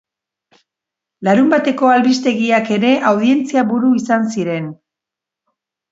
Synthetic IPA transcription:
laɾumbat̪e̞ko̞alβist̪e̞ɣiake̞ɾe̞ʔawðie̞nt͡siaβuɾuisansiɾe̞n

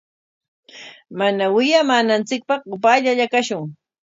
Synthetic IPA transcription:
manawɪjamaːnant͡sɪk̚pɑχʊpaʎaʎakaʃʊŋ

